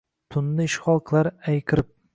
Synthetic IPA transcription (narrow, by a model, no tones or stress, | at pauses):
t̪ʰʊnlɪɪʃχɒlˠqʰlˠaɾajqʰɨɾɪp̚